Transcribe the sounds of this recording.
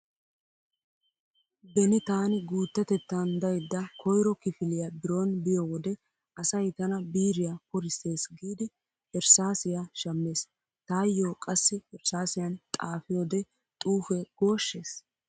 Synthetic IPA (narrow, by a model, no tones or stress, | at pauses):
d̪ɛnɪt̪aːnɪɡuːt̪ːɛt̪ɛt̪ːand̪ɐjd̪ːɐkʰɔjɾɔkɪfɪlɪjɐbɪɾo̞ːnbɪjowɔd̪ɛ | ɐsɐjt̪ɐnɐbiːɾɪjakʊɾɪse̞ːsɡiːd̪ɪ | hɛɾsaːsɪjaʃɐmːeːs | t̪aːjːoːkʼɐsːɪhɛɾsaːsɪjɐnt̪ʼaːfɪjoːd̪ɛ | t̪ʼuːfɛɡ̥o̞ːʃːeːs